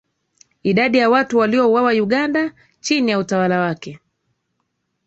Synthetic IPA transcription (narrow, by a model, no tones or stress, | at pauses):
iɗaɗijawatuwaliɔuwawajuɠanda | t͡ʃinijautawalawakɛ